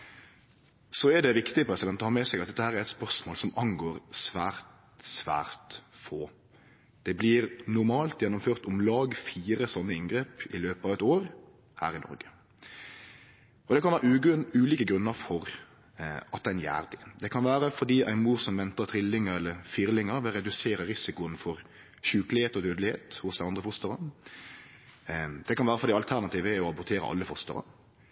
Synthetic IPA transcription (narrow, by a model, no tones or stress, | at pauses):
sɔɛd̪ɛʋɪkt̪ɪəpʰɾɛsɪd̪ɛnt̪ːɔhɑːʁmɛsɛɡɑt̪d̪ɛt̪ːəhæːɾæɾɛt̪spœʁsmoːlsɔmɑŋɡoːɾsʋæːɾt̪ | sʋæ̰ːʁt̪foː | d̪̥ɛblɪɾnʊɾmɑːlt̪jɛnːʊmføːʁt̪ʊmlɑːɡfiːɾəsɔnːəɪnɡɾeːpɪløːpɑʋɛt̪oːɾ | hæ̰ːɾɪnɔ̰ɾɡə | ɔd̪ɛkʰɑnʋæːɾʉːliːkəɡɾʉnːəɾfɔɾ | ɑt̪̚d̪ɛnjæ̰ːʁd̪ɪd̪ɛkʰɑnʋæːʁəfɔd̪iːʔæɪnmuːɾsɔmʋɛnt̪əʁt̪ʰʁɪlːɪŋəɾɛlːəfiːʁɾlɪŋəɾʋɪɾɛd̪ʉseːɾəɾɪsɪkʊənfɔɾ | ɕʉːklɪheːt̪ɔd̪øːd̪əlɪhḛːt̪hʊsd̪ɛɪɑnd̪ʁəfʊst̪əʁə | d̪̥ɛkʰɑnʋæːʁəfɔɾd̪iːɑlt̪ʰæɾnɑt̪ʰiːʋæɔɑbʊɾt̪ʰeːɾə̰ʔɑ̰lːəfʊst̪ə̰ʁə̰